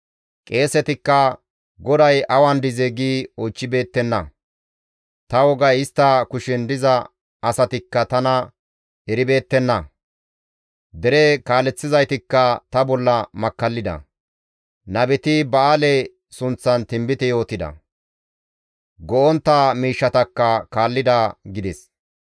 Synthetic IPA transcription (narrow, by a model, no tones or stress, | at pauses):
kʼe̞ːsɛt̪ɪkːɐ | ɡɔd̪ɐjʔɐwɐnd̪ɪzɛɡiːot͡ʃːɪbe̞ːt̪ːɛnːɐ | t̪ɐwɔɡɐjɪst̪ːɐkʊʃɪnd̪ɪzɐ | ɐsɐt̪ɪkːɐt̪ɐnɐ | ɛɾɪbe̞ːt̪ːɛnːɐ | d̪ɛɾɛkaːlɛt͡sːɪzɐjt̪ɪkːɐt̪ɐbɔlːɐmɐkːɐlːɪd̪ɐ̰ | nɐbɛt̪ɪbɐaːlɛ | sʊnt͡sːɐnt̪ɪmbɪt̪ɛjo̞ːt̪ɪd̪ɐ̰ | ɡɔʔɔnt̪ːaːmiːʃːɐt̪ɐkːɐkaːlːɪd̪ɐɡɪd̪ɛs